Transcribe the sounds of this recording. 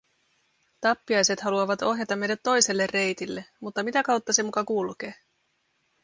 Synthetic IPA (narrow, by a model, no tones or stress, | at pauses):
t̪ɑpːiɑjse̞t̪hɑluɑʋɑt̪o̞ɦjɑt̪ɑmːe̞jdæt̪ːo̞jse̞lːerːe̞jt̪ilːe̞mut̪ːɑmit̪ækɑwt̪ːɑse̞mukɑkulk̟e̞ː